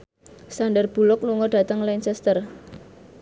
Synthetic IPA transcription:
sanɖərb̥ṳlʊkluŋɔɖ̥ä̤t̪əŋlansɛst̪ər

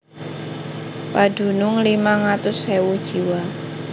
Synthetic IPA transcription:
pad̥ṳnʊŋlimaŋat̪ʊsːewud̥ʒ̥i̤wa

